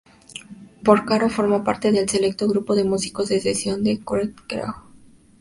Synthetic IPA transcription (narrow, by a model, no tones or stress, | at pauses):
poɾkaɾofoɾmopa̰ɾt̪e̞ðe̞lse̞le̞k̚t̪o̞ɣɾupo̞ðe̞musi̥ko̞zðesesjo̞nd̪ekɾet̪ɡɾa̰w